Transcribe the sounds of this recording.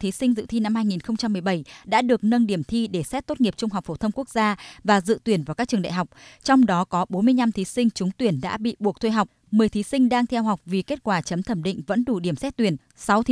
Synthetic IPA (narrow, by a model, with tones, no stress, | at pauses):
t̪ʰi˨˦sï˧ŋ̟zɨ̰˧˨t̪ʰi˧na˧mhaː˧jŋi˨˩nxə˧wŋ͡mt͡ɕa˧mːɨ˨˩əjɓə˧˩jɗa̰ː˧˥ɗɨ˨˩ək̚nə˧nɗi˧˩əmt̪ʰi˧ɗe˧˩sɛ˦˥t̚t̪o˦˥t̚ŋi˨˩əp̚t͡ɕʊ˧ŋ͡mɦa˨˩wk͡p̚fo˧˩t̪ʰə˧ŋ͡mku˦˥ək̚zaː˧vaː˨˩zɨ̰˧˨t̪wi˨˧˩ənvaː˨˩kaː˦˥k̚t͡ɕɨ˨˩əŋ˨ɗ̰a̰˧˨ɦa˨˩wk͡p̚t͡ɕɔ˧wŋ͡mɗɔ˨˦kɔ˨˦ɓo˨˦nmɨ˧əjɲna˧mt̪ʰi˨˦sï˧ŋ̟t͡ɕʊ˨˦ŋ͡mt̪wi˧˩ənɗa̰ː˧˥ɓḭ˧˨ɓu˨˩əkt̪ʰe˧ɦa˨˩wk͡p̚ | mɨ˨˩əjt̪ʰi˨˦sï˧ŋ̟ɗaː˧ŋt̪ʰɛ˧wɦa˨˩wk͡p̚vi˨˩ke˦˥t̚kwaː˧˩t͡ɕə˨˦mt̪ʰə˧˩mɗḭ̈˧˨ŋ̟və̰˧˥nɗu˧˩ɗi˧˩əmsɛ˦˥t̚t̪wi˧˩ən | sa˨˦wt̪ʰi˨˦